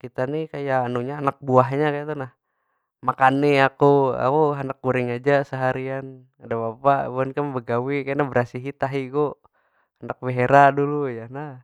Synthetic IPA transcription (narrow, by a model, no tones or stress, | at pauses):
kit̪anikajaːnuɲaːnak̚buaɦɲakaat̪onah | makaniakua̰kuɦandak̚ːuɾɪŋad͡ʒasəɦaɾian | adabapabuankambəɡawikajnabəɾasiɦit̪aɦiɡo | anak̚beɦeɾadulujanah